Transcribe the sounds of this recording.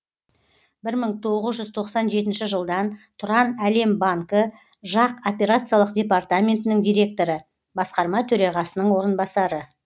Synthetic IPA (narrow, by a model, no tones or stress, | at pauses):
bɪɾməɴt̪ʰo̞ʁəzʒʏzt̪ʰo̞qsɑnʒe̞t̪ɪnʃɪʒəlˠd̪ɑnt̪ʰʊɾɑnæle̞mbaŋkə | ʒɑqo̞pʲe̞ɾat̪sɨjalˠəqdʲe̞part̪amʲe̞nt̪ɪnɪŋd̪ʲijɾʲe̞k̚t̪o̞ɾə | bɑsqɑɾmɑt̪ʰɵɾɑʁɑsənəɴwo̞ɾənbɑsɑɾə